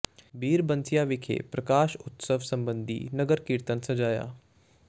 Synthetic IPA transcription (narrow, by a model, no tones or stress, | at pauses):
biːɾbənsijaːʋɪkʰḛpɾəkaːʃʊt̪səʋsəmbə̃nd̪ʱḭːnəɡəɾkiːɾt̪ənsɐd͡ʒaːja̰ː